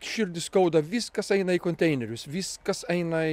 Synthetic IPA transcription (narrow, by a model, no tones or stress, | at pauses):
ʃʲɪɾʲd̪ʲɪsskɐʊd̪ɐʋʲiːskɐsɛɪnɐikonʲt̪ʲɛɪnʲɛɾʲʊsʋʲiːskɐsɛɪnɐ